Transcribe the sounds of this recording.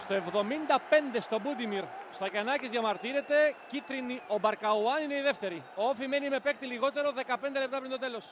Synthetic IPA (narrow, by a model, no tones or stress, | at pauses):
st̪o̞e̞vðo̞mind̪ɐpe̞nd̪e̞st̪o̞bud̪imiɾst̪ɐcɐnɐcizʝɐmɐɾt̪iɾe̞t̪e̞cit̪ɾinio̞bɐɾkɐuɐnine̞iðe̞ft̪e̞ɾioofime̞nime̞pe̞k̚t̪iliɣo̞t̪e̞ɾo̞ðe̞kɐpe̞nd̪elep̚t̪ɐpɾint̪o̞t̪e̞lo̞s